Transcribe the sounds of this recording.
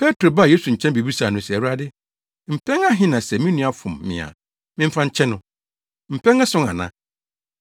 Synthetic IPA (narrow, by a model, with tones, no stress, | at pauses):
pʰɛ˦tʰɾo˨ba˦˨je˦su˨ɲ̩˨t͡ɕʰɛ̃˦n˦bi˨bi˦sa˨nʊ̃˦sɛ˨wu˦ɾa˦dɪ˦ | m̩˨pʰɛ̃˦ŋa˦ɦɪ̃˦nã˨sɛ˨mĩ˦nũ˦a˨fʊ̃˨mːɪ̰̃˨a̰˨ | mɪ̃˦m̩˦fã˦ɲ̩˦t͡ɕʰɛ̃˦nʊ̃˦ | m̩˨pʰɛ̃˦ŋa˦sʊ̃˦ŋã̰˨nã̰˦